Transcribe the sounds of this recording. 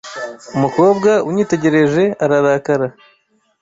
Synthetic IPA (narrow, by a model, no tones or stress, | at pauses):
umuko̞ːbɡauɲiːte̞ɟe̞ɾe̞ʒe̞aɾaɾakaɾa